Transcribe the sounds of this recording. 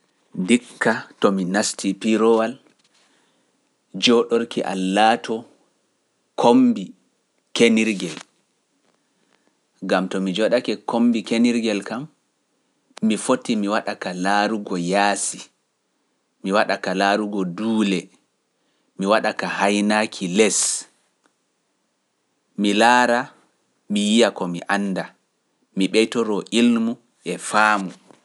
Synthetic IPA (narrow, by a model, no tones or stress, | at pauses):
dikːatɔminastʰipiɾɔwal | d͡ʒɔɗoɾkiʔa̰lːaːtɔ | kʰombi | keniɾɡɛl | ɡamtɔmid͡ʒɔɗakɛkombikeniɾɡɛlkam | ifotːimiwaɗakalaɾuɡɔjaːsi | miwaɗakalaɾuɡɔduːlɛ | miwaɗakahajnakʰilɛs | milaːɾa | mijijakɔmiʔanːda | miɓɛjtɔɾɔʔilmu | ʔɛfaːmu